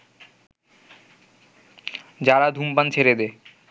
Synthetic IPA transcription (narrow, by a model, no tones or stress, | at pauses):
d͡ʑaɾad̪ʱumpant͡ɕʰeɾed̪e